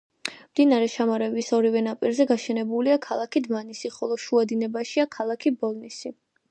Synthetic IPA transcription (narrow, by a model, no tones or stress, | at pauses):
md̪inaɾɛʃʰamaɾɛbisɔɾivɛnapʼiɾzɛɡaʃɛnɛbuliakʰalˠakʰid̪manisiχɔlˠɔʃuad̪inɛbaʃiakʰalˠakʰibɔlˠnisi